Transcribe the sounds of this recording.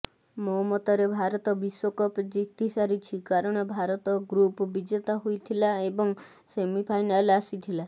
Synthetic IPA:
mɔmɔt̪ɔɾebʱaɾɔt̪ɔbiswɔkɔpd͡ʒiɡt̪isaɾit͡ʃʰikaɾɔɽ̃ɔbʱaɾɔt̪ɔɡɾupɔbid͡ʒet̪aɦojt̪ʰilaebɔŋ | semipʰajnalasit̪ʰila

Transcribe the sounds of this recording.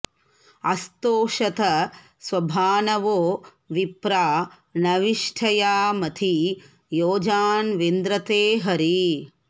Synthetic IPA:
ɐst̪oːʂɐt̪ɐ | sʋɐbʱaːnɐʋoː | ʋipɾaː | nɐʋiʂʈʰɐjaːmɐt̪ʰi | joːd͡ʒaːnʋind̪ɾɐt̪eːɦɐɾi

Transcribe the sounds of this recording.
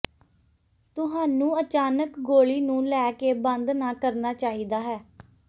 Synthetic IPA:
t̪ʊɦaːnũːət͡ʃaːnəkɡoːɭiːnũːlɛːkeːbə̃nd̪naːkəɾnaːt͡ʃaːɦiːd̪aːɦɛː

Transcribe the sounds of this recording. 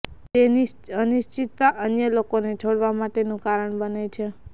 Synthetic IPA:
t̪eniənɪʃt͡ʃit̪ːaʔənjəlokonet͡ʃʰoɽʋamaʈenũkaɾəɳbənet͡ʃʰe

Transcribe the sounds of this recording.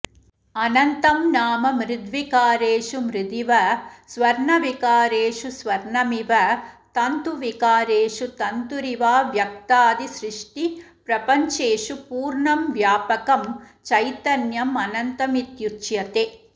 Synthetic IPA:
ɐnɐnt̪ɐmnaːmɐmɾɪd̪ʋikaːɾeːʂumɾɪd̪iʋɐsʋɐɾɳɐʋikaːɾeːʂusʋɐɾɳɐmiʋɐt̪ɐnt̪uʋikaːɾeːʂut̪ɐnt̪uɾiʋaːʋjɐk̚t̪aːd̪isɾɪʂʈipɾɐpɐɲt͡ʃeːʂupuːɾɳɐmʋjaːpɐkɐmt͡ʃɐjt̪ɐnjɐmɐnɐnt̪ɐmit̪jut͡ʃjɐt̪e

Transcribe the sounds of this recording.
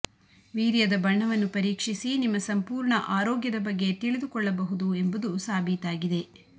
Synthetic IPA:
ʋiːɾjɐd̪ɐbɐɳːɐʋɐnːupɐɾiːkʂisinimːɐsɐmpuːɾɳɐʔaːɾɔːɡjɐd̪ɐbɐɡːe̞t̪iɭid̪ukɔɭːɐbɐɦud̪ue̞mbud̪usaːbʱit̪aːɡid̪e̞

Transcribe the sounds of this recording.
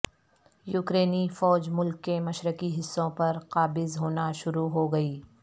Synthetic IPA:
juːkɾeːnifɔːd͡ʒmʊlkːemɐʃɾəkiɦɪsːõpɐɾqaːbɪzɦoːnaʃʊɾuɦoɡɐiː

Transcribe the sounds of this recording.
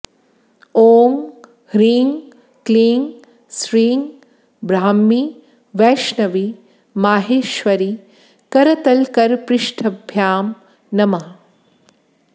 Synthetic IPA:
oːŋ | ɾiːŋ | kliːŋɡ | sɾiːŋɡ | bɾaːmːi | ʋɛːʃnɐʋi | maːɦeːʃʋɐɾi | kɐɾɐt̪ɐlkɐɾpɾɪʃʈʰɐbʱjaːm | nɐmɐ

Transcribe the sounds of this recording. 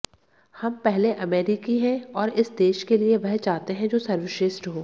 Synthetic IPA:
hɐmpɛɦleʔɐmeːɾikiɦɛ̃ɔːɾɪsd̪eːʃkelieʋɐɦt͡ʃaːɦt̪eɦɛ̃d͡ʒoːsɐɾʋɪʃɪsʈɦoː

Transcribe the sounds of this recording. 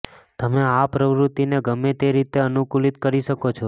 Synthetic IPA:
t̪əmeapɾəʋɾut̪ineɡəmet̪eɾit̪eənukulit̪kəɾiʃəkot͡ʃʰo

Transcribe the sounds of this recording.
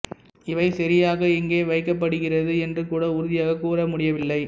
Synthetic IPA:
ɪʋɐɪsɐɾɪjaːɣɐɛŋɡeːʋɐɪkːɐp̬ːɐɽɯɣɪrɐðɯɛndrɯkuːɽɐʊɾʊðɪjaːɣɐkːuːɾɐmʊɽɪjɐʋɪlːɐɪ

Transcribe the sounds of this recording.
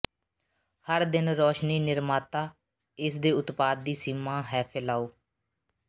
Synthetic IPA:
həɾd̪ɪnɾoːʃniːnɪɾmaːt̪aː | ɪsd̪eːʊt̪paːd̪̚ːiːsiːmaːɦɛːpʰɪlaːoː

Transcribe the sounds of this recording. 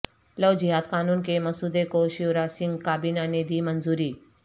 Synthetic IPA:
ləwd͡ʒiɦaːd̪kaːnunkemɐsud̪ekoʃiuɾasɪ̃ŋɡkaːbinaned̪imənzuːɾiː

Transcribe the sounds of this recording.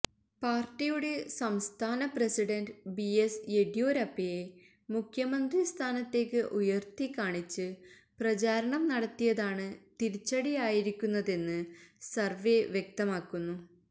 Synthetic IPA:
paːrʈːijuɽe̞sɐmst̪ʰaːnɐprɐsiɽɐnɖbieseɽijo̞ːɾɐpːije | mukʰjɐmɐnd̪rist̪ʰaːnɐt̪ːe̞ːkːɨʔujɐrt̪ikːaːɳit͡ɕːɨ | prɐt͡ɕaːɾɐɳɐmnɐɽɐt̪ːijɐðaːɳɨt̪iɾit͡ɕːɐɽijaːjiɾikʲːunːɐðe̞nːɨsɐrʋeʋjek̚t̪ɐmaːkːunːu

